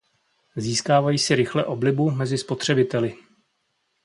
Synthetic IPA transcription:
ziːskaːvajiːsɪɾɪxlɛʔo̞blɪbumɛzɪspo̞t̪r̝̥ɛbɪt̪ɛlɪ

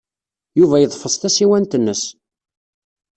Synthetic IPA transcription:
juvæjəðˤfəsˤt̪æsiwænt̪ənːəs

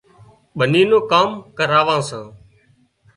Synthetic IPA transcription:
ɓəniːnõːkaːmkəɾaːʋãːsãː

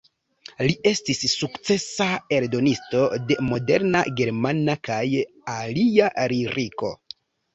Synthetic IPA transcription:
lie̞stisːukt͡se̞sae̞ɾdo̞nisto̞de̞mo̞de̞ɾna̰ɡe̞ɾmanakaj | aliaɾiɾiko̞̰

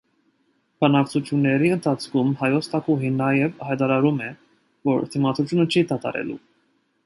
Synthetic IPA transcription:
b̥ɑnɑkt͡sʰut̪ʰjunːɛɾiənt̪ʰɑt͡sʰkʰumhɑjɔt͡sʰt̪ʰɑkuɦinːɑjɛvhɑjt̪ɑɾɑɾumɛ | vɔɾt̪ʰimɑt̪ut̪ʰjunət͡ʃʰit̪ɑt̪ɑ̰ɾɛ̰lṵ

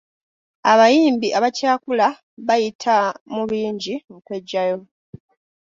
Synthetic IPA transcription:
aβajiːmbiʔaβacaːkula | βajitʰamuβiːɲɟiukwe̞ɟːajo̞

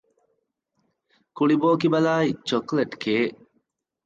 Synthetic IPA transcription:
kuɭiboːkibɐlaːit͡ʃokleʈkeː

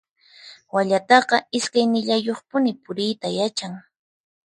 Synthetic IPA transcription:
waʎat̪ɑqɑɪskajnɪʎajoχpʊnɪpʊɾɪjt̪ajat͡ʃaŋ

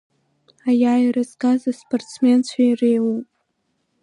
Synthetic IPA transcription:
ajaːjɾazkazaspʰʼortt͡sʰme̞nt͡ɕʷʰairejwupʼ

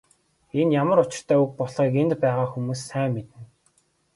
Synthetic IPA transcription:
enjamə̆ɾʊt͡ɕɪ̆r̥t̪ʰœːuk̚pɔɮʁiːkent̪pæːʁaːxumuːsːæːŋːet̪ɘ̆n

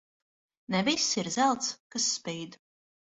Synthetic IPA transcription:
nɛvisːiɾzælˠt̪skasːpʲɛjd̪

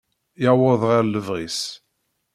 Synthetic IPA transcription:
jaʕwəðˤʁaɾləvʁis

